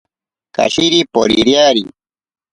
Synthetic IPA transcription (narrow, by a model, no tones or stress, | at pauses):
ka̰ɕiɾipoɾḭɾjaːɾi